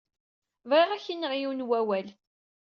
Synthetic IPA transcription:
vʁiʁæçinːəʁjiwnwæwæl

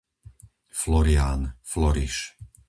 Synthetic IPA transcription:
flɔɾiaːnflɔɾiʃ

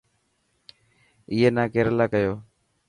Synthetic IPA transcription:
ɪːeːnãːkeːɾlaːkəjoː

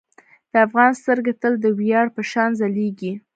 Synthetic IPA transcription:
d̪̥əafɣɑnst̪əɾɡat̪əld̪əwijɑɽpəʃɑnzaleɡi

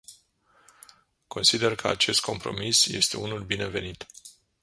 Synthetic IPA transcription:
kʰo̞nsid̪e̞rkʰəa̰t͡ʃe̞st̪̚kʰo̞mpɾo̞misje̞̰st̪e̞unulbine̞ve̞nit̪

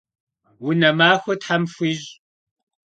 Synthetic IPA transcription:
wʊnɐmaːxʷɐtħamfʷiːʑʼ

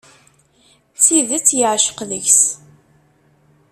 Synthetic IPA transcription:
θiðət͡sːjəʕʃə̥qləçs

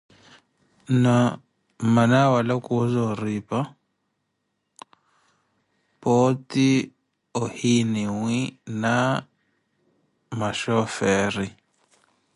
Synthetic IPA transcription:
na | manawalakʼuzɔriːpa | poti | ɔhiniŋina | maʃɔfɛːri

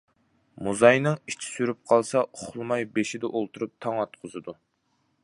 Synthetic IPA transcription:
muzɑjnɨŋit͡ʃʰi̥syɾyp̚qʰɑlˠsɑʊχʊlˠmɑjbeʃid̪ɛʔolˠt̪ʰuɾup̚t̪ʰɑŋɑt̪̚qʰʊzɨd̪u

